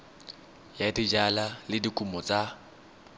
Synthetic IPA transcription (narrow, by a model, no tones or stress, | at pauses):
jadid͡ʒalalɪdikʼumɔt͡sʼa